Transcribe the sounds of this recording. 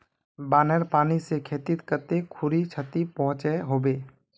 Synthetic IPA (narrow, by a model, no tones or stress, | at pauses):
baːneɾpaːnisekʰeːt̪ɪt̪kət̪ekʰʊɾit͡ʃʰət̪ipɔɦʊ̃t͡ʃeɦoːbeː